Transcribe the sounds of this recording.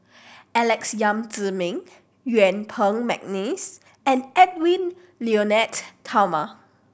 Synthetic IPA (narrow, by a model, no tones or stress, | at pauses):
ɛlɛksjãmtəmĩŋ | juɛ̃npʰə̃ŋmɛ̰k̚nis | ɛ̃nɛt̚wĩn | lionɛtʰːawma